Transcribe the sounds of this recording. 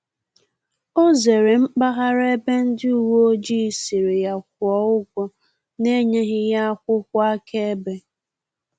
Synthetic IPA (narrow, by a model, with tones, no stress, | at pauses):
o˦ze˨ɾe˨m̩˦k͡pa˦ɦa˦ɾe˦be˦n̩˦dɪ˦u˨wo˦d͡ʒi˦˨si˨ɾe˨ja˨k̚ʷʊ˨ɔ˨ʊ˦ɡʷɔ˨ | ne˦ɲe˦ɦɪ˦ja˦a˦kʷʊ˦kʷʊ˦a˦kʰe˦e˦be˦